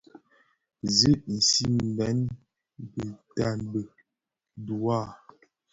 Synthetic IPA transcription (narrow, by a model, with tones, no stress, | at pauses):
zə˦ʔn̩˨si˦m˨bɛ˨˦n | bə˨ta˦˨nbə˨ | du˨a˦˨